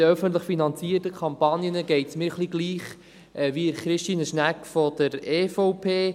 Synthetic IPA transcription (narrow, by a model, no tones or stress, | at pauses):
əœfənt̬ləχfinɑnt͡siːəɾtəkʰɑmpɑnjənəɡɛɪtsmɪːɾχliɡliːχ | ʔɛviəɾχɾɪʃtiːnəʃnækfɔd̥̪əɾeːfoʊpʰeː